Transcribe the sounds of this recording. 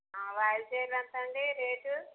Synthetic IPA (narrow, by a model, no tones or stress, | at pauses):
aʋajd͡ʒeːɾlɐnt̪ɐɳɖiɾeːʈu